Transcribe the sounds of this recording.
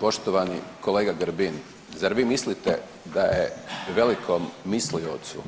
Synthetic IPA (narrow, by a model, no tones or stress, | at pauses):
po̞ʃt̪oʋanḭkoleːɡaɡəɾbin | zaɾʋiːmislit̪e | d̪ajḛʋe̞likʰomːislio̰t̪sṵ